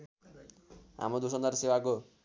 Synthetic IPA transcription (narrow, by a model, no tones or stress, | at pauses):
ɦa̰mɾod̪usʌnd̪aɾsewako